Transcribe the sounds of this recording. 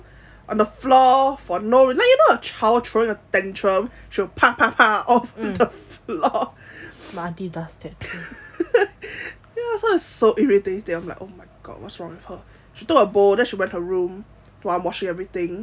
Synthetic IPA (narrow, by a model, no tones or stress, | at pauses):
ʔə̃nðəflɔfɔnoɹilaɪk̚jənoət͡ʃʰaɪl̚ˠtʰɹoɪ̃ŋət̪ɛ̃ntʰɹəmʃiwəpʰapʰapʰaɔfðəflɔ | madidastɪt | jɛsɔɪ̥soʔiɹitɪteãɪmla̰ɪʔoʊmaɪɡ̥ɔ̰dwɔ̰tsɹɔ̃ŋwɪð̥hə | ʃitʊkəbodɛ̃nʃiwɛ̃nthəɹũm | tãmwɔt͡ʃɪ̃ŋɛvɹiθɪ̃ŋ